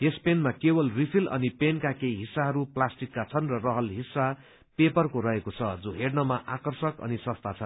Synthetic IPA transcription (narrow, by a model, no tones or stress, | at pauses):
espenmakebʌlripʰilʔʌ̰nipenkakejɦisːaɦʌɾuplasʈikːat͡sʰʌnrʌrʌɦʌlɦisːa | pepʌrkoɾʌɦekot͡sʰʌd͡zoɦernʌmaʔakʌrsʌkʌ̰nisʌst̪ʰat͡sʰʌn